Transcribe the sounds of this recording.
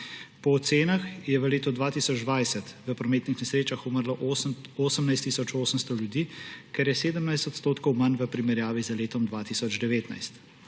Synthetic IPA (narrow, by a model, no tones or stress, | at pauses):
pɔːt̪seːnaxjɛʋəleːt̪ɔd̪ʋaːt̪iːsɔd͡ʒd̪ʋajsɛt̪ʋəpɾɔmeːt̪nixnɛsɾeːt͡ʃaxuməɾlɔʔooːsəmnajst̪ːisɔt͡ʃoːsəmst̪ɔljud̪iːkɛɾjɛseːd̪əmnajst̪ɔt̪st̪oːt̪kɔwmanʋəpɾimɛɾjaːʋizaleːt̪ɔmd̪ʋaːt̪isɔd͡ʒd̪ɛʋeːt̪na̰jst̪